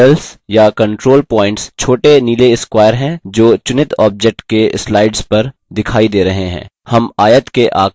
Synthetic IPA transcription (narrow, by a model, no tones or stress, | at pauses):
əlsjakɐ̃ɳʈɾoːlpɔːɪ̃ɳʈst͡ʃʰoːʈeniːleɪskwaːjəɾɦɛ̃ːd͡ʒoːt͡ʃʊnɪt̪ʰɔːb̚d͡ʒɛk̚ʈkeslaːɪɖzpɐɾd̪ɪkʰaːid̪eːɾɐɦeɦɛ̰̃ːhɐmaːjət̪keʔaː